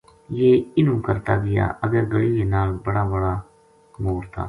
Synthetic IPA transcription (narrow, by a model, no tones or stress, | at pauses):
jeːɪnũːkəɾt̪aːɡɪja̰ːʔəɡəɾɡəɽiːeːnaːlbəɽaːbəɽaː | moːɾt̪ʰa̰ː